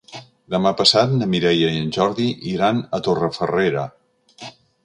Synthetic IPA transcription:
d̪əmapəsat̪̚nəmiɾɛjəiənʲʒɔɾðiʔiɾanət̪orəfəreɾə

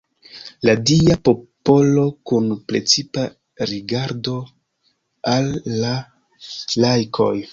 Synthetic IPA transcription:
ladiapo̞po̞lo̞kunpɾe̞t͡sipa | ɾiɡaɾdo̞ | alːa | lajkʰo̞̰j

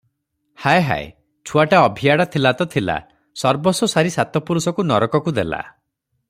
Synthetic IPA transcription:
hajɦa̰ḛ | t͡ʃʰuaʈaɔbʱiaɽat̪ʰilat̪ɔt̪ʰila̰ | sɔɾbɔsɔsaɾisat̪ɔpuɾusɔkunɔɾɔkɔkud̪ela̰

